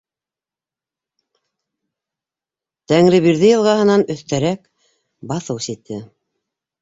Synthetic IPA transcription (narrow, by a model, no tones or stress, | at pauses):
t̪æŋɾɘβiɾðɘjɤ̆lˠʁɑɦɤ̆nɑnɵ̆θt̪æɾæk | bɑθɤwsit̪ːɘ